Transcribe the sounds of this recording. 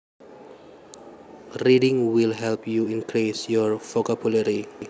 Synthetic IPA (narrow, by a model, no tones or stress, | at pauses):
ridɪ̃ŋwilɦɛlpjuĩnkʰɾisjɔɹfɔkabulaɾi